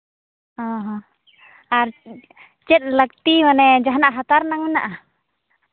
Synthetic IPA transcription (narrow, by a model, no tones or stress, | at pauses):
ɔɦɔ | a | t͡ʃɛt̪̚lak̚t̪imanɛd͡ʒaɦnaʔɦat̪arnaŋminaʔa